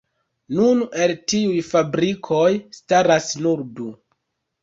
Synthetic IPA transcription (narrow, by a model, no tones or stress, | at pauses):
nune̞ltiujfabɾikʰo̞jstaɾasnuɾdu